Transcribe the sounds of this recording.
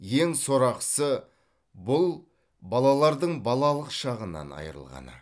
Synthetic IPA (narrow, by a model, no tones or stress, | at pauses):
jeŋso̞ɾɑqsə | bʊlˠ | bɑlˠɑlˠɑɾd̪əɴbɑlˠɑlˠəqʃɑʁənɑ̰nɑ̰jəɾə̰lˠʁɑ̰nə̰